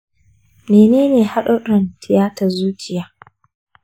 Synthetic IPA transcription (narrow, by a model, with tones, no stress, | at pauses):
meː˨neː˦neː˨ha˦ɗo˦ɗɐ˨ntʰɪ˨jaː˦ta˨zuː˦t͡ʃɪ˨jaː˨